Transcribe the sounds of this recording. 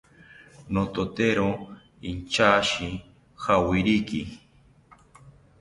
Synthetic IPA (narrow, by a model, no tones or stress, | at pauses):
not̪ot̪eɾo | int͡ʃaʃi | xawiɾiki